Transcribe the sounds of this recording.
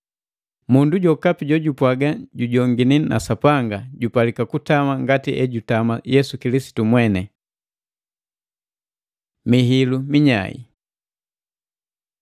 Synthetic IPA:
munduɟɔkapiɟɔɟupwaɡaɟuɟɔŋɡinina̰sapaŋɡaɟupalikakutamaŋɡatiʔɛɟutamajɛsukilisi̥tumwɛnɛ | miɦilumiɲa̰ḭ

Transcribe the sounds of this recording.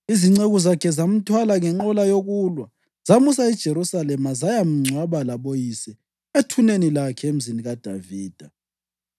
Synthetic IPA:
iziŋ͡ǀeɣuzakʰɛzam̩tʰwalaŋɛŋ͡ǃɔlajoɣulwa | z̥amusaɛd̥ʒ̥ʱeɾusalɛmazajam̩ŋ͡ǀʱwaβalaβojisɛ | etʰunenilakʰɛem̩ziniɣad̥ʱa̰viːd̥ʱa

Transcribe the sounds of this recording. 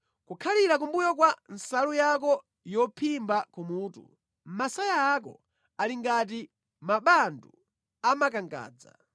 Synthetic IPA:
kukʰaliɾak̬umbujɔkwansalujakɔ | jɔpʰimbakumuːtṵ | m̩masajaːkɔ̰ | aliŋɡat̬i | maɓandu | amakaŋɡa̰ːd͡za̰

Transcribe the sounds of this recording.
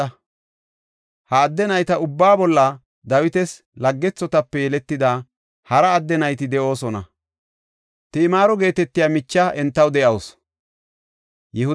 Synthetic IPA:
ɐ | hɐːd̪ːɛnɐjt̪ɐʊbːaːbɔlːɐ | d̪ɐwɪt̪ɛs | lɐɡːɛt͡sːɔt̪ɐpːɛjɛlɛt̪ːɪd̪aː | hɐɾɐːd̪ːɛnɐjt̪ɪd̪ɛʔo̞ːsɔnɐ̰ | t̪ɪɪmaːɾɔɡe̞ːt̪ɛt̪ːɪjaːmɪt͡ʃːaʔɛnt̪ːɐwd̪ɛʔɐws | jɛhʊ

